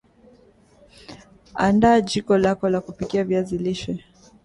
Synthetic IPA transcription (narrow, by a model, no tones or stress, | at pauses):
a̰ndaːd͡ʒikɔlakɔlakupikiaviaziliʃɛ